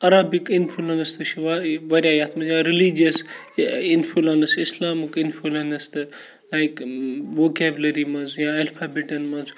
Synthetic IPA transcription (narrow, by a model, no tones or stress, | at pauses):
ɐɾaːbikinfʰulɐnɐst̪ɨʃʰiaʋɐɾjajat̪mɐzjãɾilid͡ʒiɐs | infʰulɐnɐsislaːmikinfʰulɐnɐst̪ɨ | lajkʋoːkeːblɐɾimɐnzjãɐlfʰaːbeʈɐnmɐz